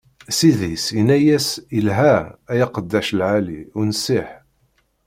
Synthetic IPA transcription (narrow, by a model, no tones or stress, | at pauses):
siðisinæjæsilɦææjɑqəd̪ːæʃlʕalḭʊnsiħ